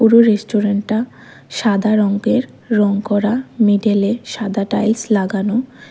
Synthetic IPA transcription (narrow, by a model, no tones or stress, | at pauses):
puɾoɾesʈoɾeɳʈːa | ʃad̪ʱaɾɔŋɡeɾː | ɔŋkɔɾamiɖeleʃad̪ʱaʈajlslaɡano